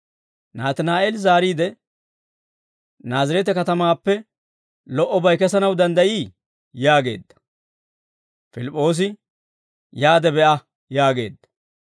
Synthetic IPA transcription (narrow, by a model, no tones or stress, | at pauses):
naːt̪ɪnaːʔelzaːɾiːd̪ɛ | naːzɐɾɛt̪ɛkɐt̪ɐmaːpːɛ | lɔʔɔbɐjkɛsɐnɐwd̪ɐnd̪ɐjiː | jaːɡe̞̰ːd̪ːɐ̥ | fɪlɪpʼːo̞ːs̬ɪ | jaːd̪ɛbɛʔɐ | jaːɡe̞̰ːd̪ːɐ̥